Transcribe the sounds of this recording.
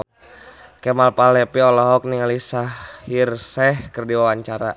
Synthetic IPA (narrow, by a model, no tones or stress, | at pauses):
kɛmalpalɛpiɔlɔɦɔk̚niŋalisahirsɛhkərdiwawaɲt͡ʃaɾa